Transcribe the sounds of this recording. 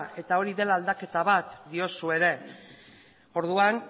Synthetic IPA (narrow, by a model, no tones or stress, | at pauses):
e̞t̪ao̞ɾiðe̞laːld̪ake̞t̪aβat̪d̪io̞sue̞ɾe̞ | o̞ɾðuan